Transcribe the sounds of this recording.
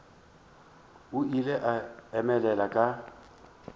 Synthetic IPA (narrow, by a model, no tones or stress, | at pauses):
ʊilɛʔaɛmɛlɛlakʼa